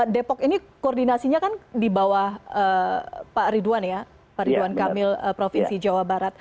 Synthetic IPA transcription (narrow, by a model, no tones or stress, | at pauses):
depɔkinikoɔrdinasiɲakandibawahəpaɾiduanja | paɾiduankamɪləpɾofinsid͡ʒawabaɾat̪̚